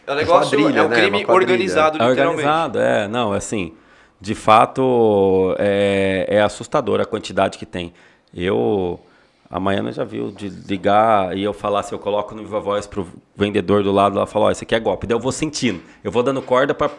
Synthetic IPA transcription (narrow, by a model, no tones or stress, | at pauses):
ɛlɛɡaad̪ɾiɛkɛɾɾĩmɪaoɾɡɐ̃nizad̪ʊɛoɾɡɐ̃nɾawim̃zad̪ʊɛ̰nɐ̃w̃ɛasĩ | d͡ʒɪfat̪ʊ | ɛɛasust̪ad̪oɾɐkwɐ̃nt͡ʃid̪ad͡ʒɪkɪt̪ẽj̃ | ḛw | ɐ̰mɐ̃jɐ̰̃nɐ̰ʒa̰vḭwd͡ʒɪliɡaɪewfalasewkolɔkʊnũiɐvɔjspɾʊvẽnd̪ed̪oɾd̪ʊlad̪ʊɛlɐfaloɔ̰sekɪɛɡɔpid̪ɐewvosẽt͡ʃinʊ | ewvowd̪ɐ̃nd̪ʊkɔɾd̪ɐpɾɐ